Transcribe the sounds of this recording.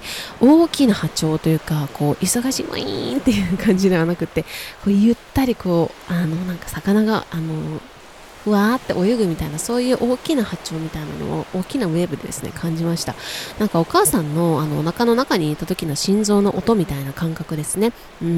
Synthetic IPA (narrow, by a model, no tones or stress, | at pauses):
o̞ːkʲinahat͡ɕo̞ːt̪o̞jɯ̟ːkakʰo̞ːʔiso̞ɡaɕḭmo̰ḭnt̪e̞jɯ̟ːkʰãɲ̟d͡ʑid̪e̞βanakɯ̟t̪ːe̞ko̞ːjɯ̟t̪ːaɾʲiko̞ːano̞nãŋkḁsakanaɡa̰ano̞ | ɸɯ̟aːt̪ːe̞ʔo̞jɯɡɯ̟mʲit̪ainaso̞ːjɯ̟ːʔo̞ːkʲinahat͡ɕo̞ːmʲit̪aina̰no̞̰o̰oːkʲinaβe̞ːbɯ̟d̪e̞̰d̪e̞sɨne̞̰kʰãɲ̟d͡ʑimaɕi̥t̪a̰nãŋkao̞kaːsãnːo̞ano̞nakano̞nakaɲ̟iːt̪ːat̪o̞kʲinoɕĩnzo̞ːno̞ʔot̪o̞mʲit̪ainakãŋkakɯ̟d̪e̞sɨne̞ | ɯ̟̃